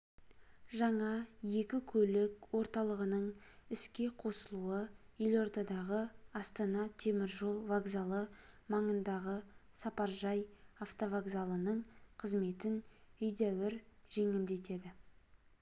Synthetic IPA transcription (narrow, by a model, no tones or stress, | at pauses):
ʒɑɴɑje̞kʲɪkʲʰɵlɪkwo̞ɾt̪ɑlˠəʁənəɴɪskʲe̞qʰo̞səlˠuəɪlʲo̞ɾt̪ɑd̪ɑʁəɑst̪ɑnɑt̪ʰe̞mɪɾʒo̞lˠvaɡzalˠəmɑɴənd̪ɑʁəsɑpɑɾʒɑjaft̪ovaɡzalˠənəɴqʰəzme̞t̪ɪnʏjd̪æwɪɾʒe̞ŋɪld̪e̞t̪e̞d̪ɪ